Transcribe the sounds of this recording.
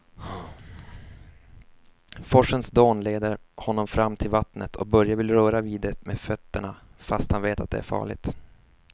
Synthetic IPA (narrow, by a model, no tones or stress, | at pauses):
fɔʂənsd̪oːnleːd̪əɾhɔnːɔmfɾamːt̪ʰɪlvat̪nət̪ʰɔ̰k̚bœɾjavɪlɾœːɾaviːd̪aɾəmefœt̪ːəɳafast̪hanveːt̪at̪̚d̪ɛ̰æ̰ɾfɑ̰ːɭɪ̰ɡt̪